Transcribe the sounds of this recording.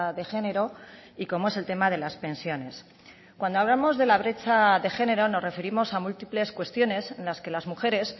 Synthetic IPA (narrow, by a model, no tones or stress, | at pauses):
ðe̞xe̞ne̞ɾo̞ | iko̞moe̞se̞lt̪e̞maðe̞laspe̞nsjo̞ne̞s | kwand̪oaβlamo̞zðe̞laβ̞ɾe̞t͡ʃaðe̞xe̞ne̞ɾo̞no̞sre̞fe̞ɾimo̞samult̪iple̞skwe̞st̪jo̞ne̞se̞nlaske̞lazmuxe̞ɾe̞s